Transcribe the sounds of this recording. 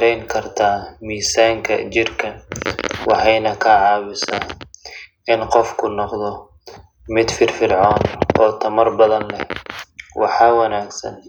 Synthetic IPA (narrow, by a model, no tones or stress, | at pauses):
ɾɛjŋkʰɐrt̪ʰaːmiːsaːŋkʰɐ̰t͡ʃɪrkʰɐ | wɑħɑjnɐkʰɐːʕɑːβɪsa̰ː | ɪnqɔfkʰʊnɔqd̪ɔ | mɪd̪fɪrfɪrʕɔːnɔːt̪ʰɐmɐrbɐðɐnlɛ̰ | wɑ̰ħɑːwɐnaːɡsɐ̰n